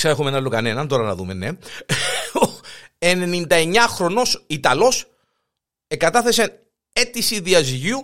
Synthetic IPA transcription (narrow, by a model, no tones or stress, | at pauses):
sɐexumenɐlːokɐne̞nɐnt̪o̞ɾɐnɐ̰ðumene | oene̞nind̪ɐe̞ɲːɐxɾo̞no̞sit̪ɐlo̞s | eɡɐt̪ɐθe̞sen | e̞t̪isiðiɐzʝiu